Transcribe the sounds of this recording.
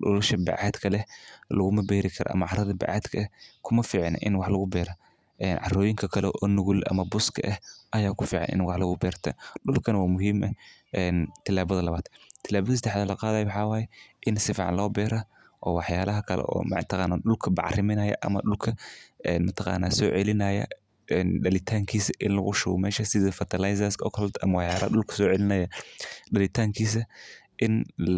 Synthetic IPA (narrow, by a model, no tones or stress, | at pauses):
ɗɔ̰lɐʃɐbɛ̰ʕaːd̪kʰɐlɛlɐɣʊmɐbɛːɾɪkʰɐɾɔ̰ʔɐ̰mɐʕɑɾɐðɐbɛ̰ʕa̰ːd̪kʰɐkʰʊmɐfiːʕɑn̰ʔɪnwɑħlɐɣʊbɛːɾɐ | ʔɛːnʕɑ̰rɔːjɪŋkʰɐkʰɐlɛʔɔːnʊɣʊlʔɐ̰mɐbʊskʰɐʔɐhʔɐjaːkʰʊfiːʕɑ̰nʔɪ̰nwɑħlɐɣʊbɛːɾt̪ʰɐ̰ɗʊlkʰɐnɐwaːmʊɦiːmʔɐʔɛːnt̪ʰɪlaːβɐðɐlɐβaːd̪̥t̪ʰɪlaːβɐðis̬ɐd̪ɛħðɐlɐqɑːðaːjwħɑːwaːjɛʔɪnsɪfḭːʕɑ̰nlɔːbɛːɾɐ | ʔɔːwɑħjaːlɐɦɐkʰɐlɛ̰ʔɔ̰ːmɐt̪ʰɑqɑːnːaːɗʊlkʰɐbɑ̰ʕrɪmɪnɐjɐ̰ʔɐ̰mɐɖʊlkʰɐɛnmɐt̪ʰɑqɑ̰ːnːaːsɔːʕɛlɪnɐjɐ̰ | ɛnɖɐlɪt̪ʰaːŋkʰiːsɐʔɪnlɐɣʊʃʊɣɔ̰mɛːʃɐsɪðɐfɐt̪ʰɐlajs̬ɐsɔ̰kʰɔld̪ɐ̰mɐwɑħjaːlɐ̰hɐɗʊlkʰɐ̥sɔːʕɛlɪnɐjɐɗɐlɪt̪ʰaːŋkʰiːs̬ɐ | ʔɪn